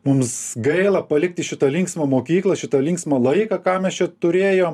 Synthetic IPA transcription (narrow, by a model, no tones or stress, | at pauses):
mʊmsɡɐɪlˠɐpɐlʲɪkt̪ʲɪʃʲɪt̪ɐlʲɪŋksmɐmoːkʲiːklˠɐʃʲɪt̪ɐlʲɪŋksmɐlˠɐɪkɐkɑːmʲɛst͡ʃʲɛt̪ʊɾʲeːjoːm